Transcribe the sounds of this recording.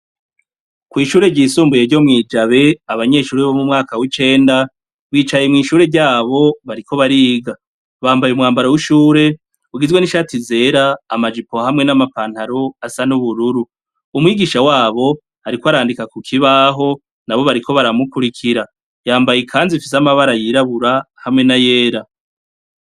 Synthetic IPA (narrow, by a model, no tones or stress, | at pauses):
kwiːʃuːɾe̞ɾɟiːsuːmbuje̞ɾɟo̞mŋiːd͡ʒaβe̞aβaɲe̞ʃuːɾeβomumŋaːkawit͡ʃe̞ːnda | βwiːt͡ʃajemŋiːʃuːɾe̞ɾɟaːβo̞βaɾikʰo̞βaɾiːɡa | βaːmbajumŋaːmbaɾowiʃuːɾe̞ | uɡizwe̞niʃatize̞ːɾaːmad͡ʒipo̞hamŋe̞namapaːn̥haɾoasanuβuɾuɾuː | mwiːɡiʃawaːβo̞ | haɾikwoaɾaːndikakukʰiβaɦo̞ | naβo̞βaɾiko̞βaɾamukuɾikʰiɾa | jaːmbajekʰaːnzifisamaβaɾajiɾaβuɾahamŋe̞naje̞ːɾa